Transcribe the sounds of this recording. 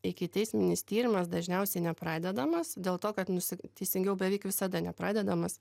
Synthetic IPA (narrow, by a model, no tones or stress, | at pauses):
ɪkʲɪt̪ʲɛɪsʲmʲɪnʲɪst̪ʲiːɾʲɪmɐsd̪ɐʒʲnʲɛʊsʲɛɪnʲɛpɾɑːd̪ʲɛd̪ɐmɐsd̪ʲeːlˠt̪oːkɐt̪nʊsʲɪt̪ʲɛɪsʲɪŋɡʲɛʊbʲɛʋʲɛɪkʋʲɪsɐd̪ɐnʲɛpɾɑːd̪ʲɛd̪ɐmɐs